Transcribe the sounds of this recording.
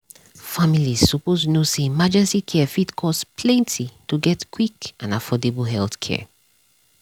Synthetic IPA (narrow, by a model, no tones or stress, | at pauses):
familiz̥sɔposnosemad͡ʒɛ̃nsikʰɛfitkʰɔspʰlɛ̃ntʰituɡɛtkʰwikãnafɔdeblɦɛlθkʰɛ̰